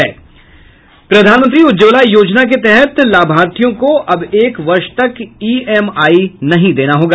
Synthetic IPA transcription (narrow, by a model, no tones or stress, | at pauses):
ɛː | pɾɐd̪ʱaːnmə̃nt̪̬ɾiʊd̪d͡ʒəʋlajoːd͡ʒnak̬et̪ɛɦɛt̪laːbʱaːɾt̪ʰijõkoʔɐbeːkʋɐɾʃt̪ɐkiːɛmaːinɐɦĩd̪eːnaɦoːɡaː